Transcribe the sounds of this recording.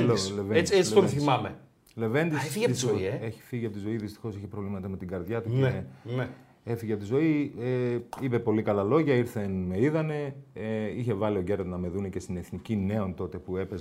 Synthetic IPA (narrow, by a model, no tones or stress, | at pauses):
loleveed̪et͡sit̪oθimɐme | le̞ve̞nd̪isefiɐizzieeçi̥fiʝiɐpot̪izo̞iðist̪i̥xo̞siçepɾo̞vlimɐt̪ɐme̞t̪iɡɐɾðʝɐt̪ueene | efiʝeɐpot̪izo̞ieipe̞po̞likɐlɐlo̞ʝɐiɾθe̞nme̞iðɐne̞eiçe̞vɐlio̞ɟe̞ɾt̪nɐme̞ðunece̞st̪ine̞θnicine̞o̞nt̪o̞t̪e̞pue̞pez